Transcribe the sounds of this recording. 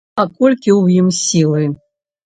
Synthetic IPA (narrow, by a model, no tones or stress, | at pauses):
akɔlʲkʲiwjimsʲilˠɨ